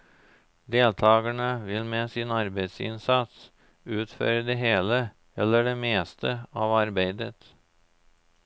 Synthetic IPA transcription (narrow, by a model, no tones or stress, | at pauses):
d̪eːlt̪ʰɑːɡəɳəʋɪlmeːsɪnɑɾbeɪt̪sɪ̰nsɑt̪s | ʉːt̪fø̰ːɾəd̪eɦeːlə | ɛlːəɖeːmeːst̪ʰəɑːʋɑɾbæɪd̪ət̪